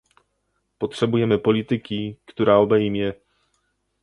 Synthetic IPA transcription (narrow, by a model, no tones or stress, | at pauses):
pɔtʂɛbujɛmɘpɔlʲit̪ɘkʲikt̪uɾaɔbɛjmʲjɛ